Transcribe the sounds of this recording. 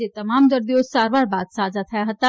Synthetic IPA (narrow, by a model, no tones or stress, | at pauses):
et̪ɐmaːmd̪əɾd̪iosaːɾbaːɾbaːt̪saːd͡ʒat̪ʰɐjaɦət̪a